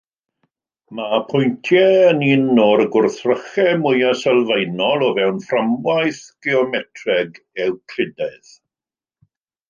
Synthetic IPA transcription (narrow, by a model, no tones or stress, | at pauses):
mapʰʊjntʰjɛəniːnːɔɾəɡʊrθrəχɛmʊjasɛlˠvejnɔlˠɔvɛwnframwajθɡ̥ɛɔmɛtʰrɛɡ | ɛwkʰl̥ɪdɛð